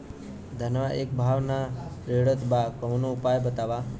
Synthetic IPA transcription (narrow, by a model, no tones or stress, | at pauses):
d̪ʱənʋaʔekbʱaʋnaɾeɽət̪bakɔmnuupajbət̪aʋa